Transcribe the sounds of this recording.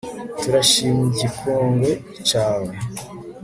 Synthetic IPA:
tuɾaʃiːmiɟikʰoːŋɡwe̞ | t͡ʃaːwe

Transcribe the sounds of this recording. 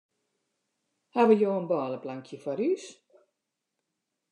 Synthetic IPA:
haʋəjoːənbɔːləplaŋkʰjəfwaɾys

